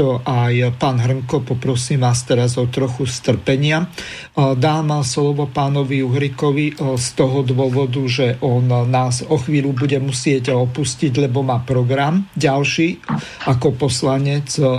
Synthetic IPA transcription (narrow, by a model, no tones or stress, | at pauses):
ɔʔajpaːnɦr̩ŋkɔpɔpɾɔsiːmʋaːst̪ɛɾazɔt̪ɾɔxust̪r̩pɛɲɪa | d̪aːmɛslɔʋɔpaːnɔʋijuɦɾikɔʋist̪ɔɦɔd̪ʋʊɔʋɔd̪uʒɛʔɔnnaːzɔxʋiːlubuɟɛmusɪɛɟɔpusciɟlɛbɔmaːpɾɔɡɾamɟalʃiː | ʔakɔpɔslaɲɛt͡s